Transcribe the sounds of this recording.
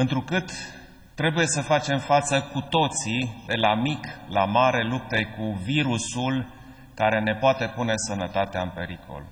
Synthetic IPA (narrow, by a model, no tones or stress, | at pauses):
ɨnt̪ɾukɨt̪ː | ɾe̞buje̞səfat͡ʃe̞mfat̪səkut̪o̞t̪sid̪e̞lamiklamaɾe̞lup̚t̪ekuviɾusul | kaɾe̞ne̞poat̪e̞pune̞sənət̪at̪eaɨnpe̞ɾikʰo̞̰l